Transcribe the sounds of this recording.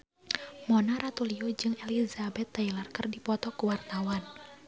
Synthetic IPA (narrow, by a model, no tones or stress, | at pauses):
mɔnaɾat̪uliod͡ʒɨŋɛlizabɛt̪ːailarkərdipɔt̪ɔkuwart̪awan